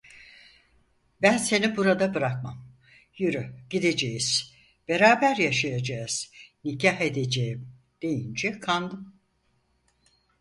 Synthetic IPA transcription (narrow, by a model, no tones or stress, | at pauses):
bænse̞nibuɾad̪abɯɾak̚mam | jɯɾyɟ̥id̪e̞d͡ʒejiz̥ | b̥e̞ɾaːbæɾjaʃajad͡ʒaːɯz̥nicʰaɦe̞d̪e̞d͡ʒejim | d̪̥e̞jind͡ʒɛkʰand̪ɯm